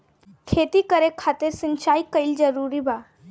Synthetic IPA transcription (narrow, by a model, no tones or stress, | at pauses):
kʰet̪ikəɾekʰat̪eɾsint͡ʃajkəild͡ʒəɾuɾiba